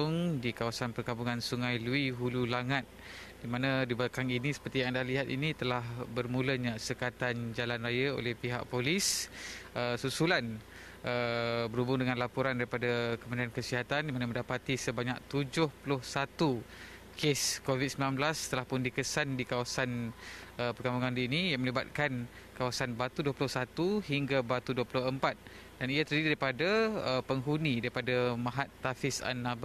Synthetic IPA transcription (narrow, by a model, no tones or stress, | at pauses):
ʊŋdikawasanpərkampuŋansuŋajluiɦululaŋat̪̚ | d̥imanãdiblakaŋinisə̥pərt̪ijãŋandahliɦat̪̚init̪əlahbərmuləɲãsəkat̪and͡ʒalanrajao̰lɛhpiɦa̰ʔ̚polis | əsusulan | ʔəbəɾubʊŋdəŋãnlapuɾandaɾipadakəməndiankəsiɦat̪andimanamə̃ndapat̪isəbaɲak̚t̪ud͡ʒʊhpulʊhsat̪u | kʰeskovit̪̚səmilanblast̪əlahpʊndikəsandikawasanʔəpəɡambuŋandiinijaŋmə̃liba̰t̪̚kan | kawasanbat̪uduəpulʊhsat̪uɦiŋɡabat̪uduəpulʊɦəmpat̪̚ | daniat̪əɾdididaɾipadaəpəŋɦunĩdaɾipadamãɦat̪ːafɪsa̰nːaba